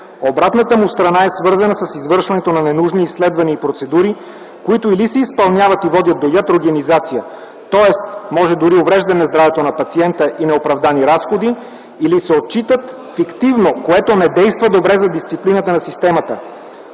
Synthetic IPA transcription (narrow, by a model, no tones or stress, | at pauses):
obɾat̪nət̪əmust̪ɾɐnaɛsvɤɾzɐnəsəsizvɤɾʃvɐnɛt̪onɐnɛnuʒniːsːlɛd̪vɐniːpɾot̪sɛd̪uɾi | koit̪ʊilisɛispɐlˠnʲavɐt̪ivɔd̪ʲət̪̚d̪ojat̪ɾoɡenizat̪sijə | t̪ɔɛst̪mɔʒɛd̪uɾiovɾɛʒd̪ɐnɛzd̪ɾavɛt̪onɐpɐt̪siɛnt̪əʔinɛopɾɐvd̪aniɾasxod̪iː | lisɛot̪̚t͡ʃit̪ət̪ | fikt̪ivnokoɛt̪onɛd̪ɛjst̪vəd̪obɾɛzɐd̪ist̪siplinət̪ənɐsist̪ɛmət̪ə